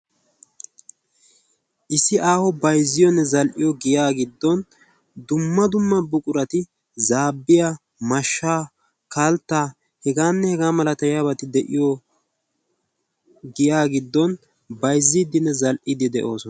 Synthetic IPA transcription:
ʔɪsːɪʔaːhɔbɐjzːɪjɔnːɛzɐlʔɪjɔɡɪjaːɡɪd̪ːɔn | d̪ʊmːɐd̪ʊmːɐbʊkʼʊɾɐt̪ɪ | zaːbːɪja | mɐʃːaː | kalt̪ːaː | hɛɡaːnːɛhɛɡaːmɐlɐt̪ɐjaːbɐt̪ɪd̪ɛʔɪjɔ | ɡɪjaːɡɪd̪ːɔn | bɐjzːiːd̪ɪnːɛzɐlʔɪd̪ɪd̪ɛ̰ʔo̞ːsɔn

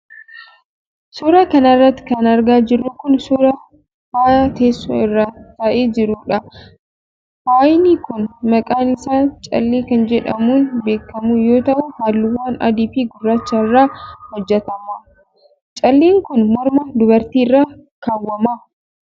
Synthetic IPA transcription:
suːɾɐkɐnɐrːɐt̪ːɪ̥kɐnɐɾɡaːd͡ʒɪrːʊkʊnsuːɾɐ | faːjat̪eːsːoːɪrːaːt̪ɐʔeːd͡ʒɪɾuːᶑɐ | faːjɪniːkʊnmɐkʼaːnɪsaːnt͡ʃʼɐ̰lːeːkɐnd͡ʒɛᶑɐmuːnbe̞ːkːɐmuːjo̞ːt̪ɐʔʊhaːlːʊwaːnɐ̰d̪ifiːɡʊrːaːt͡ʃːɐɪrːaːhɔd͡ʒːɛt̪ɐmaː | t͡ʃʼɐlːeːŋkʊnmɔɾmɐd̪ʊbɐɾt̪iːɪrːaːkaːwːɐmaː

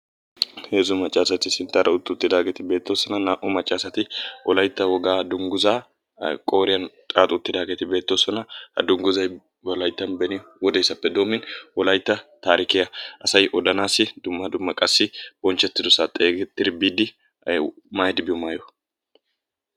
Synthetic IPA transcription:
heːzʊmɐt͡ʃʼːaːsɐt̪ɪsɪnt̪ːaɾʔɐʊt̪ːʊt̪ːɪd̪aːɡɛt̪ɪbe̞ːt̪ːoːsɔnɐnaːʔʊmɐt͡ʃʼːaːsɐt̪ɪʔɔlɐjt̪ːɐwɔɡaːd̪ʊŋɡʊzaː | kʼo̞ːɾɪjɐnt̪ʼaːt̪ʼʊːt̪ːɪd̪aːɡɛt̪ɪbe̞ːt̪ːoːsɔnɐhɐ̰d̪ʊŋɡʊzɐj | wɔlɐjt̪ːɐnbɛnɪwɔd̪ɛjsːɐpːɛd̪o̞ːmːɪnwɔlɐjt̪ːɐt̪aːɾɪkɪjɐʔɐsɐjʔɔd̪ɐnaːsɪd̪̥ʊmːɐd̪ʊmːɐkʼɐsːɪb̥ɔnt͡ʃːɛt̪ːɪd̪ʊsaːt̪ʼeːɡɛt̪ːɪɾɪbiːd̪ɪ | majd̪ɪbɪmaːjɔ

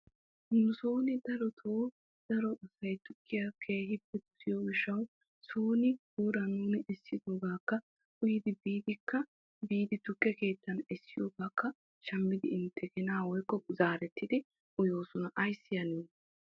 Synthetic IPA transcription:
nʊsoːnɪd̪ɐɾɔt̪ʰoː | d̪̥ɐɾɔɔsːɐjt̪ʊkʼːɪjakʰeːhɪpːɛt̪ʊ̥sɪjoːɡɪʃːɐw | soːnɪɡuːɾɐnuːnɪʔɛsːɪd̪o̞ːɡaːkːɐ | ʊjɪd̪ɪbiːd̪ɪkːɐ | biːd̪ɪt̪ʊkʼːɛke̞ːt̪ːɐnɛsːɪjoːɡaːkʰːɐ | ʃɐmbɪd̪ɪ̰ɪnt̪ʰːɛkɛnaːwɔjkːɔzaːɾɛt̪ːɪd̪ɪ | ʊjo̞ːsɔnɐʔɐjsːɪjɐniːn

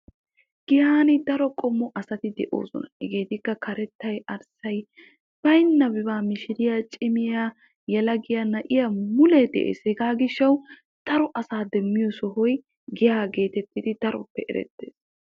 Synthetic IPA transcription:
ɡ̥ɪjaːnɪd̪ɐɾɔkʼɔmːɔʔɐsɐt̪ɪd̪ɛʔo̰ːsɔ̰nɐhɛɡe̞ːt̪ɪkːɐkʰɐɾɛt̪ːɐjɐɾsɐj | b̥ɐjnːɐbɪbaːmɪʃɪɾɪjat͡ʃʼɪmɪjaː | jɛlɐɡɪjɐnɐʔɪjamʊlɛd̪ɛ̰ʔḛːshɛɡaːɡɪʃːɐw | d̪̥ɐɾɔʔɐsaːd̪ɛmːɪjɔsɔɦɔj | ɡɪjaːɡe̞ːt̪ɛt̪ːɪd̪ɪd̪̥ɐɾɔ̰pːɛʔɛ̰ɾɛ̰t̪ːḛːs

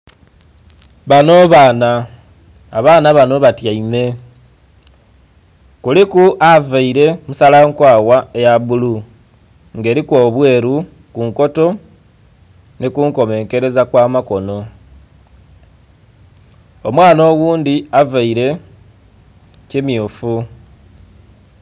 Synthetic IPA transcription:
βano̞βaːnaː | βaːnaβano̞βatjaime̞ | kulikuʔavaiɾe̞musalaŋkwaːwaejaβulu | ŋɡe̞ːɾikwo̞ːβwe̞ːɾu | kuŋko̞to̞ | nikuŋko̞me̞ːŋke̞ɾe̞zakwaːmako̞no̞ | o̞mwaːno̞ːɣuːndiavaiɾe̞ | cimjuːfu

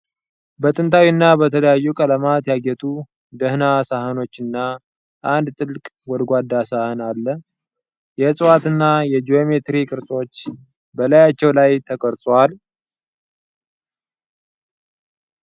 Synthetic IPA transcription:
bət̪ʼɨnt̪ʰawinːabət̪ʰələjajːukʼələmat̪jaɡɛt̪ʰu | d̪əhnasahəno̞t͡ʃːɨnːa | ʔand̪t̪ʼɨlkʼ | wɔd̪ɡʷad̪ːasahɨnalːə | jɛsʼɨwat̪ɨnːajɛd͡ʒiomet̪ɾikʼɨɾt͡sʼo̞t͡ʃː | bəlajat͡ʃːɛwlajt̪ʰəkʰʼəɾt̪ʼwal

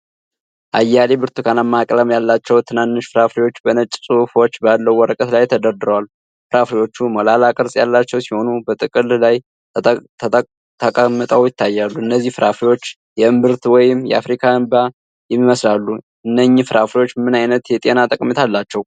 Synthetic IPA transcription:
ʔajːalebɨɾt̪ɨkʰanamːakʼləmjalːat͡ʃːɛwt̪ʰɨnanːɨʃfɨɾafɾiwo̞t͡ʃːbənət͡ʃʼːsʼɨufo̞t͡ʃːbalːəwːɔɾəkʼət̪lajt̪ʰəd̪əɾd̪ɨɾəwalːu | fɨɾafɾiwo̞t͡ʃːuməlalakʼɨɾsʼjalːat͡ʃːɛwsiho̞nubət̪ʼɨkʼɨllajʰ | t̪ʰəkʼamːət̪ʼəwjɪt̪ːajːalːuɨnːəzːihfɨɾafɾiwo̞t͡ʃː | jɛɨmbɨɾt̪wɔjɪmjɛ̰a̰fɾikʰaɨmba | jɛmːiməslalːu | ʔɨnːəɲːɪfɨɾafɾiwo̞t͡ʃːmɨnajnət̪jɛt̪ʼenat̪ʼəkʼmet̪ʰalːat͡ʃːɛw

